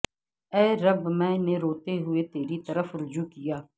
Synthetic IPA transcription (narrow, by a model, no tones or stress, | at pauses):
ɛːɾəbmɛ̃ːneɾoːt̪eɦʊet̪eːɾit̪əɾəfɾʊd͡ʒuːkɪjaː